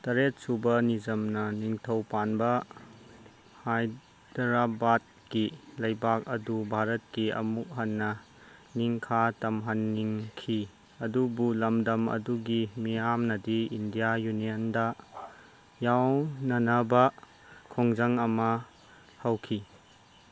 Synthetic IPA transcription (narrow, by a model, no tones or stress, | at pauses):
tɐɾet̚subɐnizɐmnɐniŋtʰɐwpanbɐ | haj | dɾabad̚kilɐjbak̚ɐdubʱaɾɐt̚kiɐ̰muk̚ɦɐnːɐ | niŋkʰatɐmɦanːiŋkʰi | ɐdubulɐmdɐmɐ̰duɡimijamnɐdiindijajuniɐndɐ | jawnɐnɐbɐ | kʰoŋzɐŋɐmɐ | hawkʰi